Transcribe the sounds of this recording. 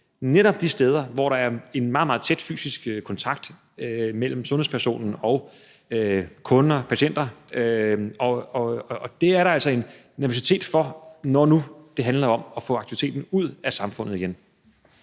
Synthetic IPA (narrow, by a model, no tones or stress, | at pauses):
neɾɒ̽b̥d̥isd̥eːð̞ˠɐʋɒɾ̥ɑ̈æɐe̝nmɑ̈ːð̩mɑ̈ːð̩ˠt͡sʰed̥fy̰ːsisɡ̥kʰɒ̽nt͡sʰɑ̈ɡ̥̚d̥ | mel̰m̩sɔ̽nhḛspʰɐso̝̰ːnn̩ɒ̽ʊ | økʰɔ̽nɐpʰæɕen̰d̥ɐøɒɒ̽ːd̥e̝æɐɾɑ̈æl̰sɒ̽e̝nː | æɐo̝s̬it͡sʰe̝̰ːd̥fɒ̽nɒnud̥e̝ɦænlɐɒ̽mɒ̽fɔ̰̽ɑ̈ɡ̥t͡sʰiʋi̥t͡sʰe̝̰ːd̥n̩uð̞̰ˠæsɑ̈mfɔ̽n̰ð̞̩ˠiɡen